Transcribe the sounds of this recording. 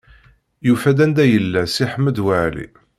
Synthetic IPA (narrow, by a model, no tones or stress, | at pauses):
jufæd̪ænd̪æjəlːæsiħəmːəd̪waʕlḭ